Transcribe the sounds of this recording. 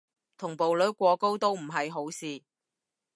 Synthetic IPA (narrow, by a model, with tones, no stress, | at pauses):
t̪ʰʊ˨˩ŋpo˨wlɵ˨˥kʷɔː˧ko˥wt̪o˥wm̩˨˩ɦɐ˨jɦo˨˥wsiː˨˧